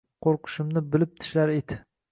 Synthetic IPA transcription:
qʰoɾqʰɨ̥ʃɪmnɪbɪlɪp̚t̪ʰɪ̥ʃlaɾed̪ɪ̥

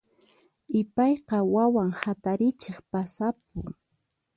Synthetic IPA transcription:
ɪpɑjqɑwawaŋhat̪aɾɪt͡ʃeχpasap̚ʊ̰ŋ

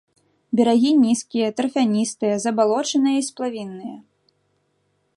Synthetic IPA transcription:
bʲɛɾaɣʲinʲiskʲijɐt̪ɾɐfʲanʲist̪ɨjɐzɐbalˠɔt͡ʂɨnɨjɐisplˠavʲinːɨjɐ

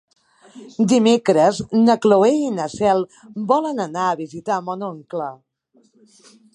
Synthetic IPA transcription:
d̪imekɾəznəkloeinəsɛlˠbɔlənənaəβizit̪amɔnoŋklə

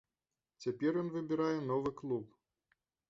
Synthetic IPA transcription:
t͡sʲapʲɛrjɔnvɨbʲiɾajɛn̪ɔvɨklˠup

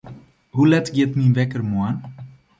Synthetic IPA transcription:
hulɛtɡjɪtminʋɛkərmuan

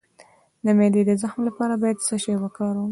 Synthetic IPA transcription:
d̪əmed̪ed̪əzaxmlapɑɾabɑjad̪səʃewakɑɾwu

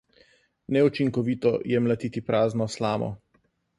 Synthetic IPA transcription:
nɛut͡ʃiŋkɔʋiːt̪ɔjɛmlat̪iːt̪ipɾaːznɔslaːmɔ̰

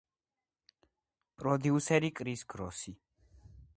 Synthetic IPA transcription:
pʼɾɔd̪iusɛɾikʼɾisɡɾɔsi

